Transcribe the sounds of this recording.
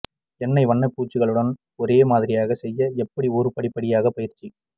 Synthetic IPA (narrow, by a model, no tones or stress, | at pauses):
ɛnːɐɪʋɐɳːɐpːuːt͡ʃːɯɣɐɭɯɽɐn | ɔɾeːmaːðɪɾɪjaːɣɐsɛjːɐɛpːɐɽiɔɾɯpɐɽɪpːɐɽɪjaːɣɐpɐjɪɾt͡ʃːi